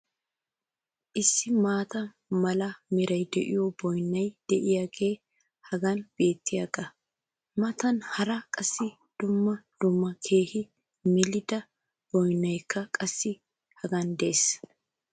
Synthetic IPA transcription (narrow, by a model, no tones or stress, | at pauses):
ʔɪsːɪmaːt̪ɐ | mɐlɐmɪɾɐjd̪ɛʔɪ̰jɔbɔjnːɐjd̪̥ɛʔɪjaːɡe̞ː | hɐɡɐnb̥e̞ːt̪ːɪjaɡɐ | mɐt̪ɐnhɐɾɐkʼɐsːɪ | d̪̥ʊmːɐd̪̥ʊmːɐkʰe̞ːhɪ | mɪlɪd̪ɐ | b̥ɔjnːɐjkʰːɐkʼɐsːɪ | hɐɡɐnd̪es